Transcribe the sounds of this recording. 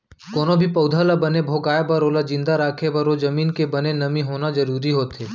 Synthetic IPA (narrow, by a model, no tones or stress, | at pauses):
koːnõbʱipɐʊd̪ʱaːlabɐnebʱoːɡaːjabəɾoːlad͡ʒɪ̃nd̪aɾaːkʰebəɾod͡ʒɐmiːnkebənenɐmĩɦoːnad͡ʒəɾuːɾiɦoːt̪eː